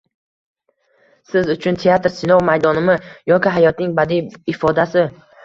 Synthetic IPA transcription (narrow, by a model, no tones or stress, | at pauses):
sɪzʊt͡ʃʰʊnt̪ʰe̞at̪ɾsɪnɒwmajd̪ɒnɪmɪjɒkʲɪɦajɒt̪nɪŋbad̪iːfɒd̪asɪ